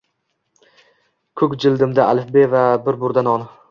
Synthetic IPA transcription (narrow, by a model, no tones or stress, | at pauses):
kʰɵkʲd͡ʒɪld̪ɪmd̪aalɪfbevabɪɾbʊɾd̪anɒn